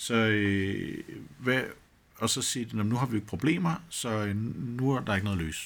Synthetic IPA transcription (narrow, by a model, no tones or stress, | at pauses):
sɒ̽ø | ʋæ | ɒ̽sɒ̽siːd̥enɔmnuɦɑ̈ʋie̝ɡ̥ə̥pʰʁo̝b̥le̝̰ːmɐsɒ̽nuæɐd̥ɑ̈eɡ̥ənɔ̽ðˠlø̰ːs